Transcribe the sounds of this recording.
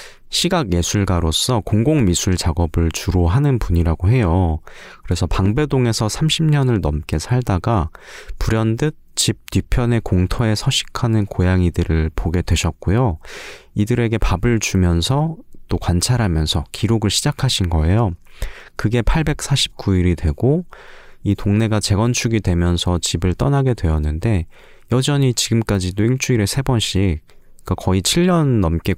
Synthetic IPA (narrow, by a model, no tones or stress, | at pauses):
ɕʰiɡaɡje̞sʰuɭɡwaɾos͈ʌkoŋɡoŋmisʰuɭt͡ɕaɡʌbɯɭt͡ɕuɾoɦanɯnpuɲiɾaɡoɦe̞jokɯɾe̞sʰʌpaŋbe̞doŋe̞sʰʌsʰamɕʰimɲʌnɯɭnʌmk͈e̞sʰaɭdaɡapuɾjʌndɯt̚t͡ɕip̚tupʰjʌne̞koŋtʰʌe̞sʰʌɕʰi̥kʰanɯnkojaŋidɯɾɯɭpoɡe̞dwe̞ɕʰʌt̚k͈ojo | idɯɾe̞ɡe̞pabɯɭt͡ɕumjʌnsʰʌt͈okwant͡ɕʰaɾɦamjʌnsʰʌkʰiɾoɡɯɭɕʰid͡ʑakʰaɕʰinɡʌe̞jokɯɡe̞pʰaɭbe̞k̚s͈ʰaɕʰi̥p̚k͈uiɾidwe̞ɡo | itoŋne̞ɡat͡ɕe̞ɡʌnt͡ɕʰuɡidwe̞mjʌnsʰʌt͡ɕibɯɭt͈ʌnaɡe̞dwe̞jʌnːɯnde̞ | jʌd͡ʑʌɲit͡ɕiɡɯmk͈ad͡ʑidoiɭt͡ɕ͈ʰuiɾesʰe̞bʌnɕʰi | k͈akʌit͡ɕʰiʎːʌnːʌmk͈e̞